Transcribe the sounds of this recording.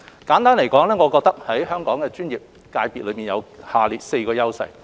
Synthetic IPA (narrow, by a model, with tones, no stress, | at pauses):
kaː˨˥nt̪aː˥nle˨˩jkɔː˨˥ŋlɛː˥ŋɔː˨˧kɔ˧k̚t̪ɐ˥k̚hɐ˨˥jɦœː˥ŋkɔː˨˥ŋkɛː˧t͡ʃyː˥njiː˨p̚ | kaː˧jpiː˨t̚lɵ˨˧ɥmi˨njɐ˨˧whaː˨˧liː˨t̚se˧jkɔː˧jɐ˥wsɐ̰˧j